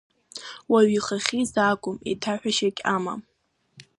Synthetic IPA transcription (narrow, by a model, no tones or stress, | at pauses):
waɥiχaχʲizaːkʷʼʊmḛtʰaħʷᶣaʃakʲʼama̰m